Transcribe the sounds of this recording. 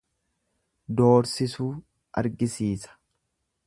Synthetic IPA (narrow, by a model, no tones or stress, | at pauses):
d̪o̞ːɾsɪsuː | ʔɐ̰ɾɡɪsiːsɐ̥